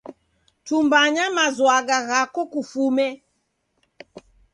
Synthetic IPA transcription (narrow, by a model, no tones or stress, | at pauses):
tumbaɲamazwaɡaɣakɔkufumɛ